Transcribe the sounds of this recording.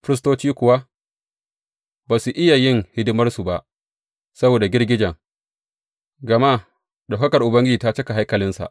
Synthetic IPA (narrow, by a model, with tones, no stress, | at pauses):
fɪ˦ɾɪ˦s̬toː˦t͡ʃiː˦kʷʊ˨wa˦ | baː˨su˨ʔɪ˦ja˨jɪ˦ŋhɪ˦dɪ˦mɐ˦rsu˨ba˦ʔ | sɐ˦boː˨da˨ɡʲɪ˦rɡʲɪ˦d͡ʒɐ˨ŋ | ɡɐ˨ma˦ | ɗa˨kɐ˦kɐ˨rʔʊ˨bɐ˦ŋɡʲɪ˦d͡ʒiː˨ta˦t͡ʃɐ˦ka˨ɦa˦jkɐ˨lɪ˦nsa̰˨ʔ